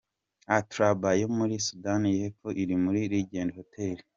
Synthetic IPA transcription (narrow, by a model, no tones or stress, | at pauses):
atɾabajomuɾisudanijefoʔiɾimuɾiɾiɟeːndiho̞tʰe̞li